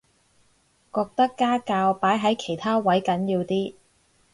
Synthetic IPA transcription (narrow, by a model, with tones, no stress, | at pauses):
kɔː˧k̚t̪ɐ˥kːaː˥kaː˧wpaː˨˥jɦɐ˨˥jkʰe˨˩jt̪ʰaː˥wɐ˨˥jkɐ˨˥njiː˧wt̪iː˥